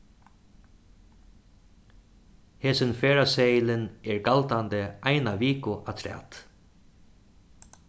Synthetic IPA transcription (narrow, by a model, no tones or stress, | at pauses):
heːsɪnfeːɹaseːjɪlɪnɛɹɡalt̪ant̪ɪajnaʋiːkʊʔa̰t̪ʰɾæ̰ːt̪